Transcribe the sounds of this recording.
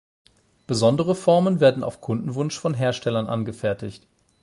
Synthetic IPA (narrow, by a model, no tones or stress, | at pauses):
b̥əzɔndəʁ̞əfɔɐmənveːɐdn̩ʔa̰ʊfkʰʊndn̩vʊnʃfɔnɦeːɐʃtʰɛlɐnʔa̰nɡəfɛɐtʰɪçt